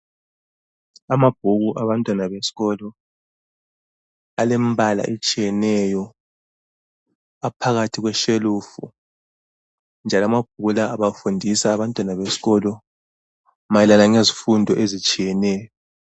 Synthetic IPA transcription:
amab̥ʱuɣuʔaβantʼwanaβesi̥ɣɔlɔ | alemβala̰ʔet͡ʃʼijɛnɛjɔ | apʰaɣatʰiɣwɛʃeluːfu | nd͡ʒʱalamab̥̚ʱuɣulaːβafundʱisaːβantʼwanaβesi̥ɣɔlɔ | majɛlanaŋezifundʱɔʔezit͡ʃʼijɛnɛːjɔ

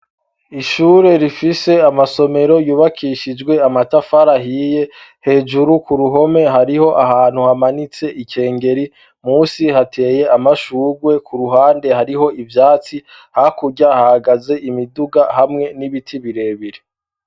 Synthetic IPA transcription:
iʃuːɾe̞ɾifise̞amaso̞me̞ɾo̞juːβakʰiʃid͡ʒɡwe̞amatafaɾaɦiːje̞he̞ːʒuɾukuɾuɦo̞me̞ɦaɾiho̞ʔaɦaːn̥huhamanit͡se̞ʔike̞ːŋɡe̞ɾi | muːsihatʰe̞ːje̞ʔamaʃuːɾɡwe̞kʰuɾuɦaːnde̞haɾiɦo̞ivjaːt͡si | hakuɟahahaɡaze̞ʔimiduɡahamŋe̞niβitʰiβiɾe̞ːβiɾe

